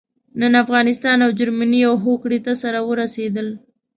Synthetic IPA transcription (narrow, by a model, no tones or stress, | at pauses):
nənafɣɑnɪst̪ɑnawd͡ʒaɾmaniawɦokɽit̪asaɾawəɾased̪əl